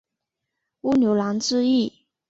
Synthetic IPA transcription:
u˥njo˧˥ʊlɑ˧˥ŋʈ͡ʂɻ̩˥˧i˥˩

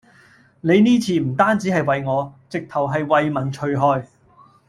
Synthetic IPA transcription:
ne˨˧jniː˥t͡sʰiː˨˩m̩˨˩t̪aː˥nt͡siː˨˥hɐ˨jwɐ˨jŋɔː˨˧t͡sɪ˨k̚t̪ʰɐ˨˩wɦɐ˨jwɐ˨jmɐ˨˩nt͡ʃʰɵ˨ɥɦɔː˧j

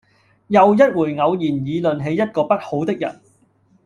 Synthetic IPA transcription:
jɐ˨wjɐ˥t̚wuː˨˩jŋɐ˨˧wjiː˨˩njiː˨˧lɵ˨nɦe˨˧jɐ˥t̚kɔː˧pɐ˥t̚ho˨˥wt̪ɪ˥k̚jɐ̰˨˩n

